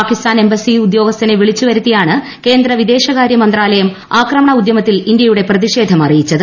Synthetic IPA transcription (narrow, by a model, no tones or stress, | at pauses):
aːkist̪aːne̞mbɐsiud̪jo̞ːɡɐst̪ɐneʋiɭit͡ɕːuʋɐɾut̪ːijaːɳɨ | ke̞ːnd̪rɐʋid̪e̞ːɕɐɣaːɾjɐmɐnd̪raːlɐjɐm | aːkrɐmɐɳɐud̪jɐmɐt̪ːilind̪jɐjuɽe̞prɐðiʂe̞ːd̪ʱɐmɐrijit͡ɕːɐðɨ